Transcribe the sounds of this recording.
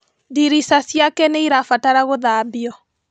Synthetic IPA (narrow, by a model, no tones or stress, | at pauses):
diɾisasjakɛneiɾafataɾaɣoðabiɔ